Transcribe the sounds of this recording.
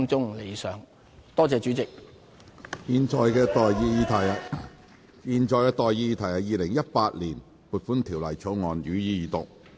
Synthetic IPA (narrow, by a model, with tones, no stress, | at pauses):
ŋt͡sʊ˥ŋle˨˧jsœː˨˧ŋ | t̪ɔː˥t͡sɛː˨˧t͡ʃyː˨˥t͡sɪ˨k̚ | jiː˨˧nt͡ʃɔː˨˧jkɛː˧t̪ːji˧˨ | jiː˨˧nt͡ʃɔː˧jkɛː˧t̪ɔː˨jːiː˧jiː˧t̪ʰɐ˨˩jɐː˨˩jiː˨˧lɪ˨˩ŋjɐ˥t̚paː˧t̚liː˨˩n | puː˨˩t̚fuː˨˥nt̪ʰiː˨˩wlɐ˨˩jt͡ʃʰo˨˥wŋɔː˨njyː˨˥jiː˧jiː˨˧t̪ʊ˨k̚